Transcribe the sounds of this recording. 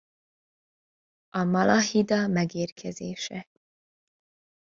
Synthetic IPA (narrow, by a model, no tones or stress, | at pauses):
ɒmɒlʔɑhid̪ɒmɛɡeːɾkʰɛzḛːʃɛ